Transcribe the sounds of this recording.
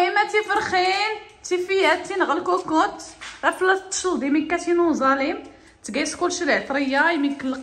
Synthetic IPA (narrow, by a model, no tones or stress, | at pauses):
imːæt̪ifəɾˤxin | t̪ifijæt̪ːinɣəlkukʊt̪æflæt̪ːʃəld̪iminkæt̪inuzˤɑlim | t̪ɡæskulʃɾiʕt̪ˤɾˤəjːajmikːəlːəq